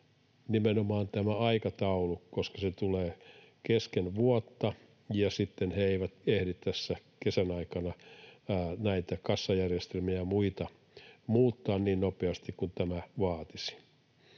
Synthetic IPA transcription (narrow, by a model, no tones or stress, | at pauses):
nimenomɑːnt̪æmæɑikɑt̪ɑulukoskɑset̪uleː | keskenʋuɔt̪ːɑ | jɑsit̪ːenheeiʋæt̪ehɾit̪t̪æsːækesænɑikɑnɑː | næit̪ækɑsːɑjærjest̪elmiæmuit̪ɑ | muːt̪ːɑːnniːnnopeɑst̪ikkunt̪æmæʋɑːt̪isi̥